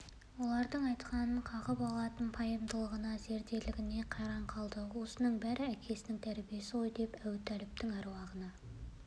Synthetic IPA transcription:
wo̞lˠɑɾd̪əɴɑjt̪qɑnəɴqʰɑʁəpɑlˠɑt̪ənpʰɑjəmd̪əlˠəʁənɑze̞ɾd̪e̞lɪɡʲɪne̞qʰɑɾɑɴqʰɑlˠd̪əwo̞sənəɴbæɾɪækʲʰe̞sɪnɪŋt̪ʰæɾbije̞sɪqo̞jd̪e̞pæwt̪ʰːælɪp̚t̪ɪŋɑɾwɑʁənɑ

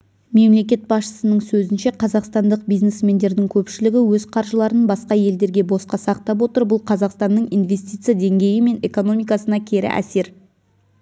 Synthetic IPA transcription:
me̞mle̞kʲe̞t̪̚bɑsʃə̥sənəɴsɵzɪnʃeqʰɑzɑqst̪ɑnd̪əq̚bijznesme̞nd̪e̞ɾd̪ɪŋkʲʰɵpʃɪlɪɡʲɪwɵzqʰɑɾʒəlˠɑɾənbɑsqɑje̞ld̪e̞ɾɡʲe̞bo̞sqɑsɑq̚t̪ɑp̬wo̞t̪əɾbʊlˠqʰɑzɑqst̪ɑnːəɴijnve̞sʲt̪ijt̪sɨjad̪e̞ŋɡʲe̞jɪme̞ne̞ko̞no̞mijkɑsənɑkʲʰe̞ɾɪ̰ʔæ̰se̞ɾ

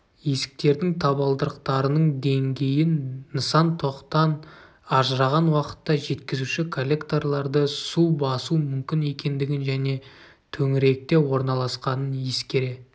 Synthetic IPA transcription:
je̞sɪ̥k̚t̪e̞ɾd̪ɪŋt̪ʰɑβɑlˠd̪əɾəqt̪ɑɾənəɴd̪e̞ŋɡʲe̞jɪnːəsɑnt̪ʰo̞qt̪ɑn | ɑʒəɾɑʁɑnwɑqə̥t̪ːɑʒe̞t̪kʲɪzuʃɪkʰo̞lʲːekt̪o̞rlˠɑɾd̪əsubɑsumʏmkʲɪne̞kʲe̞nd̪ɪɡʲɪnʒæne̞ | t̪ʰɵŋɪɾe̞k̚t̪e̞wo̞ɾnɑlˠɑsqɑnənje̞skʲe̞ɾe̞

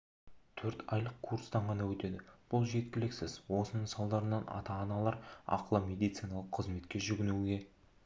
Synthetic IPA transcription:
t̪ʰɵɾt̪ʰɑjlˠəq̚kʰuɾst̪ɑɴʁɑnɑwɵt̪e̞d̪ɪb̥ʊlˠʒe̞t̪kʲɪlɪksɪzwo̞sənəsɑlˠd̪ɑɾənɑnɑ̰t̪ɑːnɑlˠɑɾɑ̰qlˠəmʲe̞d̪ijt̪sijnɑlˠəqʰːəzme̞t̪kʲe̞ʒʏɡʲɪnuwɡʲe̞

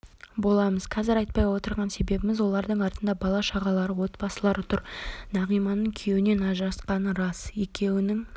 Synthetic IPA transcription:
bo̞lˠɑməz̥qʰɑzɪɾɑjt̪̚pɑjwo̞t̪əɾʁɑnse̞be̞bɪmɪzwo̞lˠɑɾd̪əɴɑɾt̪ənd̪ɑbɑlˠɑʃɑʁɑlˠɑɾəwo̞t̪bɑsəlˠɑɾʊt̪ʰʊɾnɑʁijmɑnəŋkʲʰe̞wɪne̞nɑʒɾɑsqɑnəɾɑse̞kʲe̞wɪnɪŋ

